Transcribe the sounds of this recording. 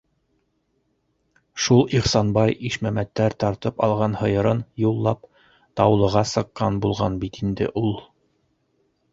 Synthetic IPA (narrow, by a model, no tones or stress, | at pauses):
ʃulˠiχsɑnbɑjiʃmæmæt̪ːæɾt̪ɑɾt̪ɤpɑlˠʁɑnhɤ̆jɤ̆ɾɤnjulˠːɑp̚ | t̪ɑwlˠɤ̆ʁɑsɤ̆qːɑnbulˠʁɑnbit̪ind̪ɘ̰ʔulˠ